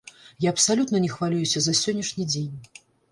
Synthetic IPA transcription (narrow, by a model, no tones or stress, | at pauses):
jaɐpsalʲut̪nɐnʲɛxvalʲujusʲɐzɐsʲɔnʲːɐʂnʲid͡zʲenʲ